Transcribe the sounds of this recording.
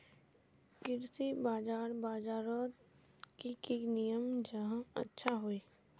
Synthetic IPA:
kɪɾsibaːd͡ʒaːɾbaːd͡ʒaːɾot̪ | kikinijəmd͡ʒəɦãə̰tːʃʰaɦoiː

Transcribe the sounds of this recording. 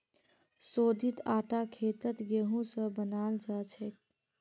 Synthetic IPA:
soːd̪ʱit̪aːʈakʰet̪ət̪ɡeɦũsə̃bənald͡ʒat͡ʃʰət̪̚

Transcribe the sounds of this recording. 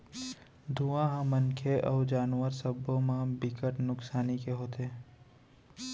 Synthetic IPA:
d̪ʱuãɦamənkʰeʔɔːɾd͡ʒaːnwəɾsəbõmãbɪkəʈnʊksaːnikeɦoːt̪eː

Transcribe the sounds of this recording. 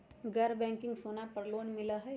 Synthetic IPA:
ɡɐɾbɛ̃ːŋkɪ̃ŋɡsoːnapɐɾloːnmɪlaɦɛ

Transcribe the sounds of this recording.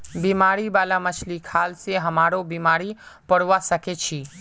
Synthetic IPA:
bimaːɾibaːlamət͡ʃʰlikʰaːlseɦəmaːɾobimaːɾipəɽʋasəket͡ʃʰiː

